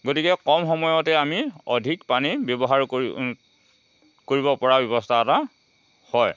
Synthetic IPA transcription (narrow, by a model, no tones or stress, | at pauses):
ɡotikɛkɔmxɔmɔjɔtɛamiɔdʱikpanibjɔbɔɦaɹ | koɹibɔpɔɹabjɔbɔstʰaːta | hɔj